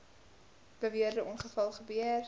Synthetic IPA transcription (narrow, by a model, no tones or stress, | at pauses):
b̥əviərdəʔɔnχəfɐlˠχəbyər